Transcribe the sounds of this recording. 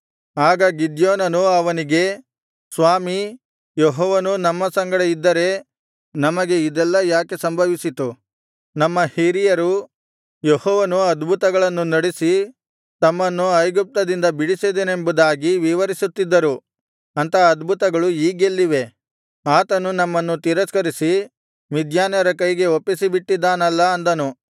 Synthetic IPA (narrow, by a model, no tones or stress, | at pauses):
aːɡɐɡid̪joːnɐnuɐʋɐniɡe̞ | sʋaːmi | jeɦɔːʋɐnunɐmːɐsɐŋɡɐɽeid̪ːɐɾe̞ | nɐmɐɡe̞id̪ɛlːɐjaːke̞sɐmbʱɐʋisit̪u | nɐmːɐhiːɾijɐɾu | jeɦɔːʋɐnuɐd̪bʱut̪ɐɡɐɭɐnːunɐɽesi | t̪ɐmːɐnːuɐjɡup̚t̪ɐd̪ind̪ɐbiɽised̪ene̞mbud̪aːɡiʋiʋɐɾisut̪ːid̪ːɐɾu | ɐnt̪ɐːd̪bʱut̪ɐɡɐɭuiːɡelːiʋe̞ | aːt̪ɐnunɐmːɐnːut̪iɾɐskɐɾisi | ʋid̪ʱjaːnjɐɾɐkɐjɡe̞opːisibiʈːid̪ːaːnɐlːɐːnd̪ɐnu